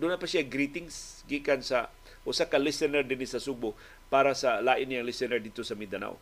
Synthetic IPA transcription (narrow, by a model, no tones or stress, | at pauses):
d̪unapasiaɡɾit̪ɪŋsɡikansa | ʔusakalisɛnɛrdinisasubʊ | paɾasalaʔɪnjaŋlisɛnɛrd̪it̪usamid̪ana̰w̰